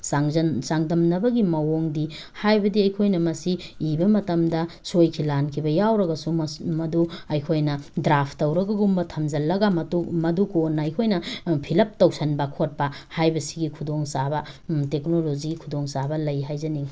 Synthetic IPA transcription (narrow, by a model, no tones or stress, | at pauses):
asaŋdɐmnɐbɐɡimɐwoŋdi | hajbɐdiɐjkʰojnɐmɐsiːbɐmɐtɐmdɐsojkʰilankʰibɐjawɾɐɡɐsumɐduɐjkʰojnɐdɾapʰtɐwɾɐɡɐɡumbɐtʰɐmd͡ʒɐlːɐɡɐmɐtumɐdukonːɐɐjkʰojnɐpʰilɐp̚tɐwsɐnbɐkʰot̚pɐhajbɐsi̥ɡikʰudoŋsabɐtek̚nolod͡ʒiɡikʰudoŋsabɐlɐjɦajzɐniŋ